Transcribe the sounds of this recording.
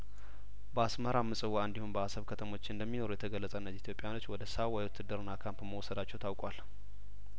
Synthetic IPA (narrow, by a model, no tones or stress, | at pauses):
bəasməɾamːɨsʼɨwːaɨnd̪ihunbəhasəβkʰət̪ʰəmo̞t͡ʃːɪɨnd̪əmːino̞ɾujɛt̪ʰəɡəlːəsʼəɨnːəzit̪ʰjo̞pʼːjano̞t͡ʃːwɔd̪əsawajwt̪ʰːɨd̪ɨɾɨnːakʰampməwɔsəd̪at͡ʃːɛwt̪ʰawkʼwal